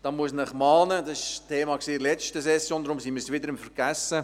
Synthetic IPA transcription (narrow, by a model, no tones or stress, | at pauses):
d̥ɑːmuəsnəχmɑːnədɑsɪʃtʰeːmɑksiːlɛt͡ʃtəsɛsjoːnd̪ɾʊmsimɪɾsʋɪdəɾɪmfəɾɡ̥æsə